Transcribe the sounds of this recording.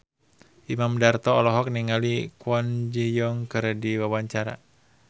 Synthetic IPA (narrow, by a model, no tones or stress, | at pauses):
ʔimamdart̪ɔːlɔɦɔk̚niŋalikwɔnd͡ʒijɔŋkərdiwawaɲt͡ʃaɾa̰